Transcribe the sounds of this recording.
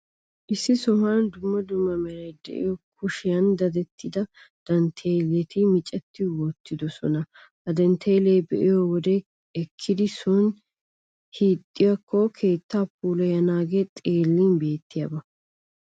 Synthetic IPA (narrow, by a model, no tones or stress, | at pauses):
ʔɪsːɪsɔɦaːnd̪ʊmːɐd̪ʊmːɐmɛɾɐjd̪ɛ̰ʔɪ̰jɔkʰʊʃɪjɐnd̪ɐd̪ɛt̪ːɪd̪ɐ | d̪̥ɐnt̪ʰeːlɛt̪ʰɪmɪt͡ʃʼɛt̪ːɪwɔt̪ːɪd̪ɔsɔnɐ | hɐd̪ɐnt̪ʰeːlejbɛʔɪjɔwɔd̪e | ɛkʰːɪd̪ɪsʊn | hiːt̪ʼːɪjɐkʰːokʰeːt̪ːaːpuːlɛjɐnaːɡeːt̪ʼeːlːiːnbe̞ːt̪ːɪjɐ̰bɐ